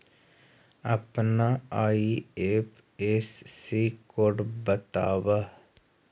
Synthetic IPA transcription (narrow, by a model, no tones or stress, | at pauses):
ɐpnaaːiepʰ | esːikoɽbət̪a̰ːʋa